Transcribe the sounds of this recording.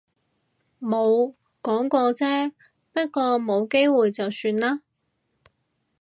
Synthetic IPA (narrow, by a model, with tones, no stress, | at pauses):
mo˨˧w | kɔː˨˥ŋkɔː˧t͡sɛː˥ | pɐ˥t̚kɔː˧mo˨˧wke˥jwuː˨jt͡sɐ˨wsyː˧nlaː˥